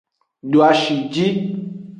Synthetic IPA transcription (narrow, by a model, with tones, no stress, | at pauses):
ɖo˨a˨ʃi˨d͡ʒi˦